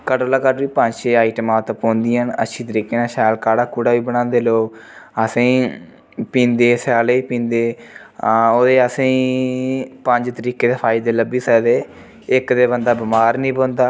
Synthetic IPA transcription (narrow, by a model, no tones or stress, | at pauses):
kəʈoːlaːkəʈʋiːpəɲd͡ʒʃeːaːiʈəmaːt̪ãpõːnd̪iːənə̰ʃʰiːt̪̬əɾiːkeːnãːsɛːlkaːɽaːkuːɽaːʋiːbəɽ̃ãːnd̪eːloːɡəsĩː | pĩːnd̪eːsaːleːiːpĩːnd̪eː | oːd̪eːəsĩː | pəɲd͡ʒt̪əɾiːkeːd̪eːpʰaːid̪eːləbiːsɛːd̪eː | ɪkd̪eːbənd̪aːbəmaːɾnĩːpõːnd̪aː